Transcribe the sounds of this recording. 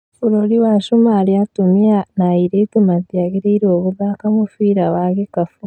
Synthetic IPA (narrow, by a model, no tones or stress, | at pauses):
fuɾoliwaʃumaːliatumianaiɾetimadiaɡiɾeɾoːβuðaːkamufiːɾaβaɡekafu